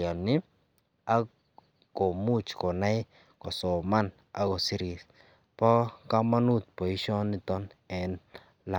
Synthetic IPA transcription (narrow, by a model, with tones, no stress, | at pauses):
a˨ni˦ | a˦ | ko˨mu˦t͡ʃko˨na˦j | ko˨so˨ma˦˨n | a̰˦ɡo˨si˦˧ɾi˧s | po˦ka˦ma˦nu˦˨t̪̚po˨i˦ʃo˦ni˧t̪o˦ne˨n | la˨˧